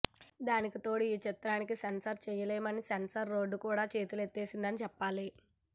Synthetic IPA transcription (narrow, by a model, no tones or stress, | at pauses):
d̪aːnikit̪o̞ːɽiiːt͡ʃit̪ːɾaːnikisensɐɾt͡ʃɛjɐleːmɐnisensɐɾːo̞ːɖːukuːɽaːt͡ʃe̞ːt̪ulet̪ːe̞ːsind̪ɐnit͡ʃɛpːaːli